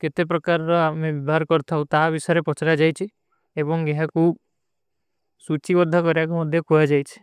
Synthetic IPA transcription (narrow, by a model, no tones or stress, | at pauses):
ket̪ep̬ɾɔkaɾːɔamẽbibʱaɾkɔɾt̪ʰaɦũt̪abisɔɾepɔt͡ʃʰɾad͡ʒajt͡ʃʰi | ebɔŋɡeɦãkuːb | sut͡ʃibɔd̪ʱakɔɾjakmɔd̪ʱjɔkujad͡ʒajt͡ʃʰi̥